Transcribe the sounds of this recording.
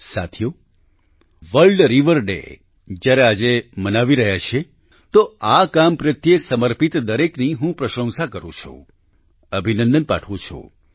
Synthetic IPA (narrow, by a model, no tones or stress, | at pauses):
sa̰t̪ʰjo | ʋəɭɖɾiʋəɾɖḛ | d͡ʒjaɾead͡ʒemənaʋiɾəɦjat͡ʃʰe | t̪oakampɾɪt̪ʰjesəməɾpit̪d̪əɾekniɦũpɾəʃə̃ŋsakəɾṵ̃t͡ʃʰṵ̃ | əbʱinənd̪ənpa̰ʈʰʋũt͡ʃʰṵ̃